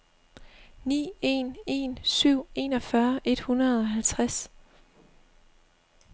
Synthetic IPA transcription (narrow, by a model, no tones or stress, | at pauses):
nḭːe̝̰ːne̝̰ːnsyʊ̰e̝ːnɒ̽fɶɐʔe̝d̥hunɐðˠɒ̽ɦælt͡sʰʁas